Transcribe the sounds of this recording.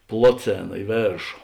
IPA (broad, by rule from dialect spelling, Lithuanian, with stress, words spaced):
ˈplˠoːˌt͡sʲeːnɐ ɪ ˈʋʲeːrʃoː